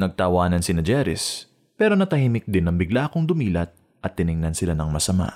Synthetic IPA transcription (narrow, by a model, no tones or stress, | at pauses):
nɐɡ̚t̪ɐwaːnɐnsɪnɐd͡ʒɛɾɪ̰s | pɛːɾo̞nɐt̪ɐhimɪk̚d̪ɪnːɐŋbɪɡlaʔɐkoŋd̪ʊmiːlɐt̪̚ | ʔɐt̪ːɪnɪŋnɐnsɪlanɐŋmɐsɐma̰